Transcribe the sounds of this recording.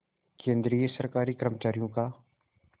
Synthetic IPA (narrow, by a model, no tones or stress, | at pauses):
kẽːnd̪ɾiːesɐɾkaːɾiːkɾəmt͡ʃaːɾijõkaː